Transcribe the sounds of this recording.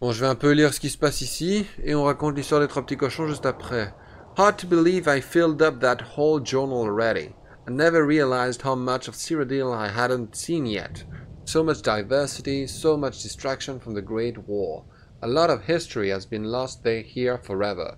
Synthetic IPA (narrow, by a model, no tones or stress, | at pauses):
b̥ɔ̃ʒəvɛɛ̃pøliʁsə̥kisə̥pasisieɔ̃ʁakɔ̃t̪list̪waʁd̪ɛt̪χəpət̪ikɔʃɔ̃ʒystapχɛ | hɑɹd̚tʰubɨlivajfɪlˠdʌp̚ðəthoʊlˠd͡ʒɜ˞nəl̩ˠɹɛɾḭ | aɪnɛvə˞ɹiəlaɪzd̚haʊmʌt͡ʃʌv̥siɹədilˠajɦædə̃ntsĩnjɛ̰tsomʌt͡ʃd̥aɪvɜ˞sɪɾisoʊmʌt͡ʃd̥ɪstɹ̥ækʃə̃nfɹʌ̃mðəɡɹeɪtwɔɹ | əlɔɾʌvhɪstɹ̥iɨzbĩnlɔst̚ðeɪhiɹfɔɹɛvə̰˞